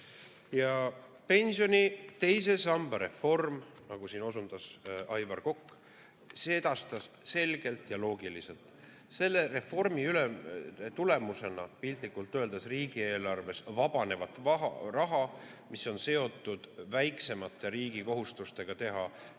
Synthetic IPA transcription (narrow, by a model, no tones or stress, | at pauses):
jɑ | pe̞nʲsijo̞nʲit̪e̞js̬e̞sɑmb̥ɑɾe̞fo̞rm | nɑɡ̥usiːno̞sund̪̥ɑsɑjvɑrko̞kː | seed̪̥ɑst̪ɑsse̞lɡ̥e̞lt̪ˑjɑlo̞ːɡilise̞lt̪ˑ | se̞lːe̞re̞fːo̞rmiylemt̪ule̞muse̞nɑpilt̪likːult̪ːˑø̞ːld̪̥ɑsriːɡ̥ie̞ːlɑrve̞svɑb̥ɑne̞vɑt̪ːˑvɑrɑɦɑmiso̞nse̞o̞t̪ːˑud̪̥væjkse̞mɑt̪ːˑe̞ɾiːɡiko̞ɦust̪ust̪e̞ɡ̥ɑt̪e̞ɦɑ